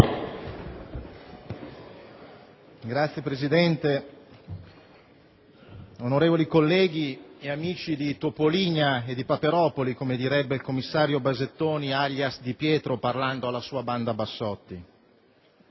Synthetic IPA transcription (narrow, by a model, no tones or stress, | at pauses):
ɡɾat̪sːjepɾezid̪ɛnt̪e | onoɾeːvolikolːɛːɡ̟ieamiːt͡ʃid̪it̪opoliːɲaed̪ipapeɾɔːpolikomed̪iɾɛbːeilkomːisːaːɾjobazet̪ːoːniaʎjasd̪ipjɛːt̪ɾoparland̪oalːasuːaband̪abasːɔt̪ːi